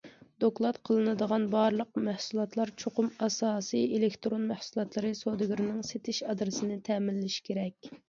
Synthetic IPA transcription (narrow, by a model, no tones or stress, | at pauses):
d̪oklˠɑt̪qʰəlˠɨnɨd̪əʁɑnbɑɾlˠəq̚mæhsulˠɑt̪lˠɑɾt͡ʃʰoqʊmɑsɑːsɨjelɪkt̪ɾonmæhsulˠɑt̪lˠɨɾɨsod̪ɪɡʲiɾɪnɪŋset̪ʰɪʃɑd̪ɾɨsɨnɪt̪ʰɛːmɪlːɪʃkʲʰeɾɛkʲ